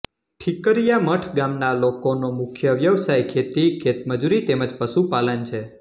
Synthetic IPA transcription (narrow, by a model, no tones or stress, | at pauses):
ʈʰikəɾijaməʈʰɡamnalokonomʊkʰjəʋjəʋsajkʰet̪ikʰet̪məd͡ʒuɾit̪eməd͡ʒpəʃupalənt͡ʃʰe